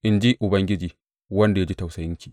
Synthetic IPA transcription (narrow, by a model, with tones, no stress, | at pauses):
ʔɪ˨nd͡ʒi˦ʔʊ˨bɐ˦ŋɡʲɪ˦d͡ʒiː˨ | wɐ˦nda˨ja˦d͡ʒi˦ta˨wsɐ˨jɪ˦ŋkʲiː˨ʔ